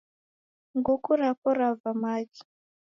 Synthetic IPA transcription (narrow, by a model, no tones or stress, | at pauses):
ŋɡukuɾapɔɾavamad͡ʒi̥